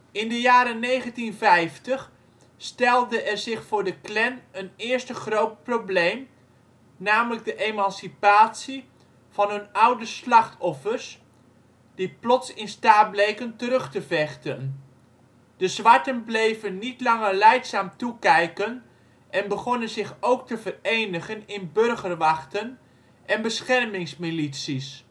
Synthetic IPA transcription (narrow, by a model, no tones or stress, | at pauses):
ɪndəjaːɾənejχəntinvɛjftəχ | stɛlˠdəʔɛrzɪχfʊːɹdəklɛnənɪːɹstəχrowt̚problejm | naːmələɡ̚dəʔejmɑnsipaːtsi | v̥ɑnɦɵnʌwdəslɑχtʰɔfərs | d̥iplɔtsɪnstaːt̚blejkəntəɾɵχtəvɛχtən | d̥əzʋɑɹtənblejvənːitlɑŋərlɛjksaːmtukɛjkən | ʔɛnbəχɔnənzɪχowk̚təvərejnəχənɪnbɵrχərʋɑχtən | ʔɛnbəsχɛrmɪŋsmilitsis